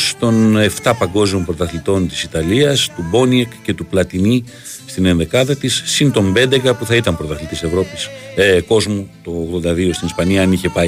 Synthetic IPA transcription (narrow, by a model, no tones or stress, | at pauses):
st̪o̞ne̞ft̪ɐpɐŋɡo̞zmompɾo̞t̪ɐθlit̪o̞nt̪i̥sit̪ɐliɐst̪ubo̞niekce̞t̪uplɐt̪ini | st̪ine̞nðe̞kɐðɐt̪isːint̪o̞mbe̞nd̪e̞kɐpuθɐit̪ɐmpɾo̞t̪ɐθlit̪ise̞vɾo̞pisko̞zmut̪o̞ːɣðo̞nd̪ɐðio̞st̪inispɐniɐɐniçe̞pɐ